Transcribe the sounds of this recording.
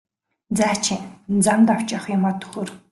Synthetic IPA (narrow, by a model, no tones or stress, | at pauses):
t͡saːt͡ɕʰit͡samt̪aw̥t͡ɕɔχjʊmɔt̪ʰːɵ̥xoːr